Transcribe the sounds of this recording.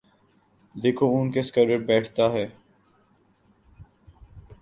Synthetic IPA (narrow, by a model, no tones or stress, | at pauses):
d̪eːkʰoʊnkeskəɖəɾ̚bɛːʈʰt̪aɦɛː